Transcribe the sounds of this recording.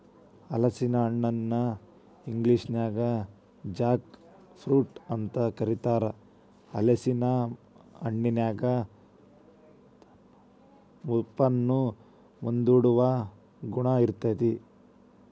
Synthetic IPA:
ɐlɐsinɐɐɳːɐnːɐ | iŋɡliʂnjaːɡɐ | d͡ʒaːk | pʰɾuːʈɐnt̪ɐkɐɾit̪aːɾɐ | ɐ̰lɐsinɐ | ɐɳːinjaːɡɐ | mupːɐnːu | mund̪uɽuʋɐ | ɡuɳɐiɾt̪ɐd̪i

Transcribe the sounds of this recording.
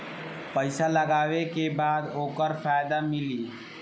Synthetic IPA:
pəɪsaləɡaːʋekebaːd̪oːkəɾfʰaːjd̪amɪliː

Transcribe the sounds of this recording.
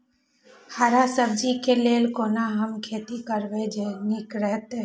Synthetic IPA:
haːɾaːsəb̚d͡ʒikeleːlkoːnaːɦəmkʰeːt̪ikəɾʋed͡ʒenɪkɾəɦt̪e

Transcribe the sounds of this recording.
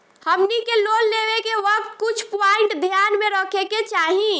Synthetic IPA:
həmnikelonleʋekeʋək̚t̪̚kut͡ʃʰpaɪɳʈd̪ʱjanmẽɾəkʰeket͡ʃaɦĩ

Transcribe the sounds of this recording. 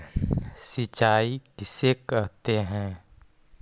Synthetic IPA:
sɪt͡ʃaːikɪsekəɾt̪eɦɛ̃ː

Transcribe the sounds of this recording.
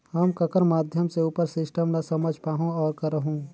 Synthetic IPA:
ɦəmkəkəɾmaːd̪ʱjəmseupəɾsɪsʈəmnasəməd͡ʒʱpaːɦõɔːɾkəɾəɦũː

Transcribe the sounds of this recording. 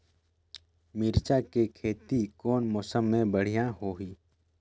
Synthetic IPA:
miɾt͡ʃakekʰeːt̪ikɔːnmɔːsəmːẽbəɽ̤ijãɦoːɦiː

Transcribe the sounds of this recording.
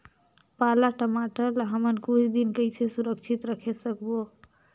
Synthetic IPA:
palaʈəmaʈəlɦəmənkut͡ʃʰd̪inkəjt͡ʃʰesuɾək̚t͡ʃʰit̪ɾəkʰesəkbo

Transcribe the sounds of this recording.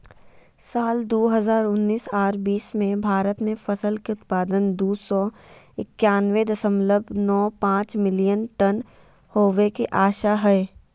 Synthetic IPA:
saːld̪oːɦəzaːɾʊnːiːsaːɾbiːsmẽbʱaːɾət̪mẽfɐsəlkeʊt̪paːd̪ənd̪uːsɔ | ɪkːjaːnwed̪ɐsəmləbʱnɔːpãːt͡ʃmɪlijənʈən | hoːʋekeʔaːʃaɦɛː

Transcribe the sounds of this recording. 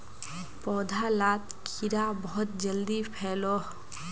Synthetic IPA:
pɔːd̪ʱalaːt̪kʰiɾabɔɦɔt̪̚d͡ʒəld̪ipʰɛːlɔɦ

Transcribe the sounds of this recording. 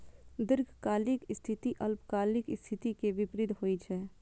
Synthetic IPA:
d̪ɪɾɡʱkaːlɪkɪst̪ʰɪt̪iʔɐlpkaːlɪkɪst̪ʰɪt̪ikeʋɪpɾɪd̪ɦoːit͡ʃʰɛː

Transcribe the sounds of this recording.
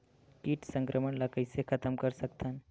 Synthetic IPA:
ʈiʈsə̃ŋkɾʔəməɳlakəjsekʰət̪əmkəɾsəkt̪ʰən

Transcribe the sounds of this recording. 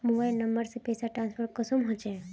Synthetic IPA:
mobaːɪlnəmbəɾsepeːsaʈɾãːnspʰəɾʈkəsumɦõt͡ʃẽ

